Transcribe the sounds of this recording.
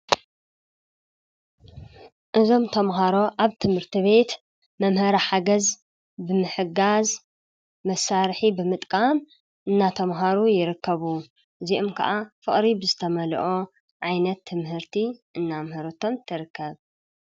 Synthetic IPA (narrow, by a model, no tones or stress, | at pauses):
ʔɨzo̞mt̪ʰɐmɦaɾo̞ʔaβt̪ʰɨmhɨɾt̪ʰiβe̞t̪ | mɐmhɐɾaħaɡɐz | bɨmɨħɨɡaz | mɐsaɾħibɨmɨt̪ʼkʼam | ʔɨnːat̪ʰɐmɦaɾujɪɾɨkʰːɐβu | ʔɨziʔomkʰɐ̰ʔafɨχʼɾibɨzɨt̪ʰɐmɐl̰ʔo | ʕajnɐt̪ʰːɨmhɨɾt̪ʰiʔɨnːamhɐɾɐt̪ʰo̞mt̪ʰɨɾɨkʰːɐβ